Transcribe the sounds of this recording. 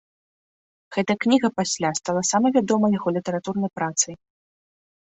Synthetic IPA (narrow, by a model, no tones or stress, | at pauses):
ɣ̥ɛt̪ɐknʲiɣɐpasʲlʲast̪alˠɐsamɐvʲad̪ɔmɐjaɣɔlʲit̪ɐɾat̪urnɐjpɾat̪sɨj